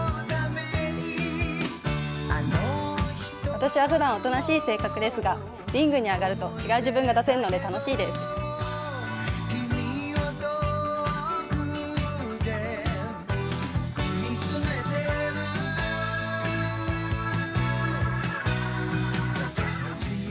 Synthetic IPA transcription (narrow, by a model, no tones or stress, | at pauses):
d̪ameɲi | ano̥ | βat̪aɕiβaɸɯ̟d̪ãɰ̃o̞t̪o̞naɕiːse̞ːkakɯ̟d̪e̞sɨɡa | ɾʲĩŋɡɯ̟ɲ̟iaɡaɾɯ̟t̪o̞t͡ɕiɡaɯ̟ʑɨbɯ̟̃ŋɡad̪ase̞ɾɯ̟no̞d̪e̞t̪ano̞ɕiːd̪e̞sɨ̥ | kʲimiiat̪o | k | d̪e | miɨmet̪e